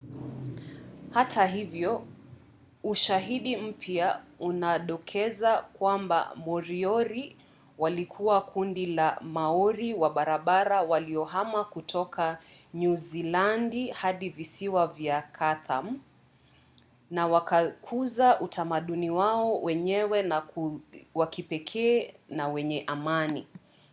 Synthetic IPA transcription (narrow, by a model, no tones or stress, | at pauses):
hatʰaɦivjɔ | uʃaɦiɗim̩pʰjaunaɗɔkʰɛzakwamba̰mɔɾiɔɾi | walikʰuwakʰundilamaɔɾiwaɓaɾaɓaɾawaliɔɦamakutʰɔkʰaɲuzilandihaɗivisiwavjakʰaθam̩ | nawakakʰuzaʔutʰamaɗuniwaɔwɛɲɛwɛna | wakipɛkʰɛːnawɛɲɛʔamani